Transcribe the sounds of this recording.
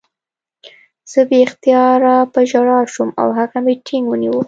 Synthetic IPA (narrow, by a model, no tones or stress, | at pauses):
z̥əbext̪ijɑɾapəʒaɽɑʃuma̰wɦakameʈʰiŋɡwəniwu